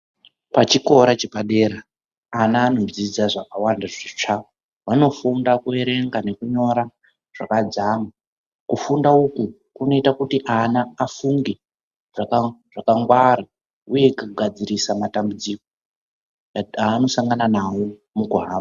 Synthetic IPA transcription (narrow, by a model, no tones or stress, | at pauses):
pat͡ʃiko̞ɾat͡ʃepaɗe̞ːɾaː | naːno̞zid͡zaʐakawandaʐit͡ʂao | wano̞fundakue̞ɾe̞ŋɡane̞kuɲo̞ɾa | ʐ̥akad͡zama | kufundauku | kuno̞itakutiʔanaːfuŋɡe | ʐakaʐ̥akaŋɡwaɾa | uje̞kukuɡʱad͡ziɾisamatambud͡ziko | aːno̞saŋɡananawo̞ | mukuɦaːma